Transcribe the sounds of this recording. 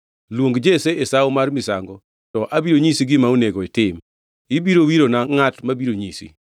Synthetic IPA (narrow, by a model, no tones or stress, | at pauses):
lwoŋɡd͡ʒeseesaomarmɪsa̰ŋɡɔ | tɔʔabiɾoɲisiɡɪmauneɡɔitɪm | ɪbiɾowiɾonaŋatmabiɾoɲisḭ